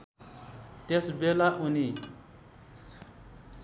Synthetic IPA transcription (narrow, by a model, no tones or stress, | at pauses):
t̪esbelaʔuni